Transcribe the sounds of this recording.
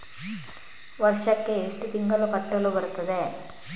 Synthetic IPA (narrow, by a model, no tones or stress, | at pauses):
ʋɐɾʂɐkːeeʂʈut̪iŋɡɐlupɐʈːɐlubɐɾt̪ɐd̪e